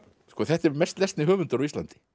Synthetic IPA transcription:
skɔθɛht̪ɛɾmɛst̪lɛst̪nɪɦœːvʏnt̪ʏɾaɔvist̪lant̪ɪ̥

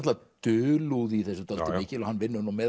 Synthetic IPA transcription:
t̪lva | t̪ʏːluðiθɛsːʏt̪alt̪ɪɪːhcɪlɔhanːvɪnːʏnumɛː

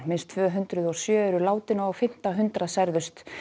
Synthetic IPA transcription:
mɪnst̪ʰv̥œːɦʏnt̪ɾʏðɔ̥sjœːɛɾʏlaːwt̪ɪnawawfɪm̥t̪aɦʏnt̪ɾasajɾðʏst̪

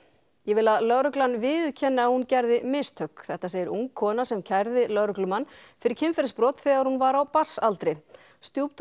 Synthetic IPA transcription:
jɛvɪlaðlœɣɾʏklanvɪðʏcʰɛnːɪahuncɛɾðɪmɪst̪ʰœkθɛht̪aseːjɪɾuŋkʰːɔːnasɛmcʰajɾðɪlœɣɾʏhklʏmanːfɪɾɪɾ̥cʰɪmfɛɾɪspɾɔːt̪θɛːɣaɾ̥hunvaɾawpḁsːalt̪ɾɪ | st̪juwpt̪ʰ

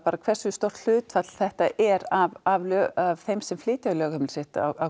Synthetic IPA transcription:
paːɾakʰvɛr̥sʏst̪owr̥t̪l̥ʏːt̪fat̪l̥θɛht̪aʔɛɾavavlœavθejmsɛmflɪːt̪ɪalœːɣhamɪlsɪht̪a̰a

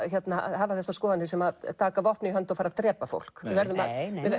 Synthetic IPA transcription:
çjɛt̪nahavaθɛsːaskɔːðanɪ̥sɛmaðt̪ʰaːkavɔhpnɪiɦœnt̪ɔfaːɾat̪ɾɛːpafo̰wl̥kɪvɛɾðʏmaɪ

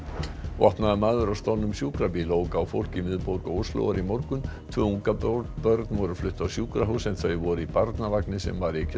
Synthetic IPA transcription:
vɔ̰hpnaðʏmaːðʏɾawst̪ɔnːʏmsjuːkɾapiloːwkawfowl̥cimɪðpowɾkɔowslo̰waɾimɔwɾkʏnt̪ʰvœːuŋkappœɾt̪nvɔɾʏɾflʏht̪ːawsjuːkɾaɦuwsɛmθœɥjvɔɾʏipaɾt̪navaknɪsɛ̰mvaɾecʰ

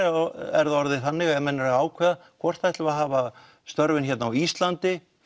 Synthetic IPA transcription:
ɛɾðaɔɾðɪθanːɪɣɛmɛnːɪɾaaːwkʰvɛːðakʰvɔr̥t̪ajht̪lvaðɦaːva | st̪œɾvɪnçɛt̪naawist̪lant̪ɪ

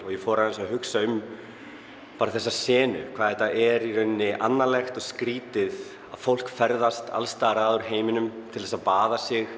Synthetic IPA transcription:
ɔɣjɛfɔːɾaɛnsaɦʏksaʏm | paːɾaθɛsːasɛːnʏ̰kʰvaːðɛt̪ːaʔɛɾiɾʏnːɪʔanːalɛxt̪ɔɣskɾiːt̪ɪð | aðfowl̥kfɛɾðast̪ʰa̰lst̪aːɣɾaːðʏɾ̥ɦeːjmɪnʏmt̪ʰɪlθɛsaðpaːðasɪx

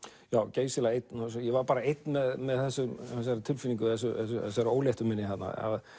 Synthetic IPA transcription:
jaːwceːjst̪ɪlaejt̪nasɔjɛvaɾpaːɾaejt̪nmɛðmɛðθɛsːʏmɛs̬ɛɾat̪ʰɪlfɪnĩŋkʏθɛs̬ʏɛsʏsaɾoːwleht̪ʏmɪnːɪhat̪na̰a̰ð

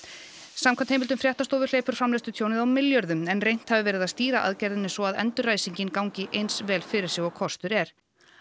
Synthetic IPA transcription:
samkʰant̪hejmɪlt̪ʏmfɾjaht̪ast̪oːvʏɾleːjpʏɾ̥fɾamlest̪ʏt̪ʰjoːwnɪðawmɪljœɾðʏmɛnrejn̥t̪havɪvɛːɾɪðast̪iːɾaʔa̰ðcɛɾðɪnːɪsvɔaðɛ̰nt̪ʏɾraːjsiɲcɪnkawɲcɪʔejnsvɛːlfɪɾɪɾ̥sjɛɣɔɣkʰɔst̪ʏɾɛɾ̥

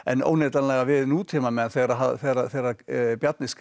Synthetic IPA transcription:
ɛno̰wnɛt̪anlɛɣaʋɪðnuːt̪ʰiːmamɛnθɛɾaɦaθɛɾaθɛɾabjat̪nɪsk

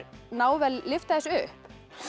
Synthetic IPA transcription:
ɾnaːwvɛlːɪft̪aðɛsʏhp

